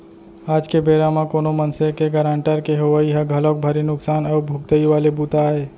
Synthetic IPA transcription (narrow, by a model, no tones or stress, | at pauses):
aːd͡ʒkebeːɾamãkoːnomənsekeɡəɾãːɳʈəɾkeɦoʋəiɦẽɡʱəlok̚bʱəɾinʊksaːnaʊbʱʊɡ̚t̪əiʋaːlebut̪aɦeː